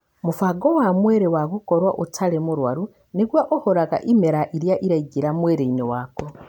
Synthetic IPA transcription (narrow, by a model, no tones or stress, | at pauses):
mufaɡowamweːɾewakukoɾwaʔutʰalemuɾwa̰ɾu | niɡwaʔohoɾaɣa̰ʔimeɾaʔiɾjaʔiɾaiɡiɾamweːɾeinewako